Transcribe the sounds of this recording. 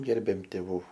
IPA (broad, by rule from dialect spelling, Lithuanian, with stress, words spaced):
ˈɡʲɛrʲbʲeːm tʲeːˈʋuː